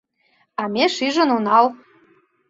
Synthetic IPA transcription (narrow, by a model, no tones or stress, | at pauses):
ɑmeʃiʒə̆nunɑl